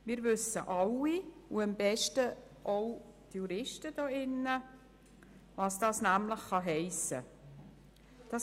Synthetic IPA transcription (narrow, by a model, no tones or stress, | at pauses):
mɪːɾʋʏsːə̰ʔɑlːiuəmb̥ɛʃtə | ʔowt̪juɾɪʃtəd̥oːɪnːə | ʋɑːsd̥ɑːsnæmləχːɑɦɛɪsə̰ | d̥ɑ